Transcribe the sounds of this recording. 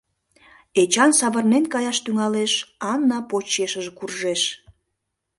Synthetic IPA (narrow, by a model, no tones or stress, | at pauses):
et͡ɕɑnsɑβərnenkɑjɑʃt̪yŋɑleʃɑnːɑpot͡ɕeʃəʒkurʒeʃ